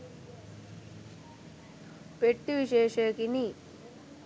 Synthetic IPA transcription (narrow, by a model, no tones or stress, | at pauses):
peʈːiʋiɕeːʂɐkini